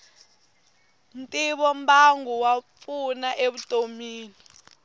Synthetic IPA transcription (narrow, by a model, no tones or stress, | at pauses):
n̩tʼiɓɔmbaŋuwafunaʔeɓutʼomiːni